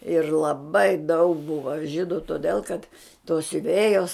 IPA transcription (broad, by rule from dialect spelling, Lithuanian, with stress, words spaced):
ɪr lˠɐˈbɐɪ dɐʊk ˈbʊʋɐ ˈʒʲiːdʊ toːˈdʲɛlˠ kɐt toːs sʲʊˈʋʲeːjoːs